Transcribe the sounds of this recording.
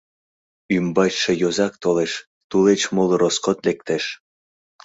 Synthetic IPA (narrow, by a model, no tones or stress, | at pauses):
ymbɑt͡ɕʃejozɑk̚t̪oleʃ | t̪ulet͡ɕmoloɾoskot̪lek̚t̪eʃ